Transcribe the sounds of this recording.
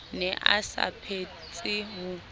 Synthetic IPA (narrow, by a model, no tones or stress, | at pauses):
nɛʔasa̰pʰet͡sʼɪɦʊ